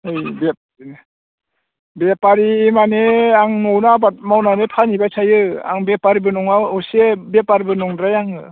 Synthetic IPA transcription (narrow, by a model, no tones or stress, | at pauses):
ɯjbep̚ | bepaɾimaneaŋnownabat̚mawnanepʰanibajsʰajɯa̰ŋbepaɾibɯnɔŋawɔsebepaɾibɯnɔŋdɾajaŋɯ